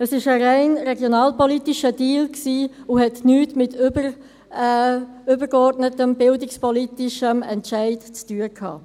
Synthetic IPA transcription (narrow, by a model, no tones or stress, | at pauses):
əsɪʃəɾaɪnɾɛɡjonɑːlpɔlitiʃədiːlksiːuhɛtnyːtmɪtbə | ʏbəɾɡɔɾtnətəmbɪldɪkspɔlitɪʃəmɛ̰ntʃæɪtt͡styːəkʰɑ̰ː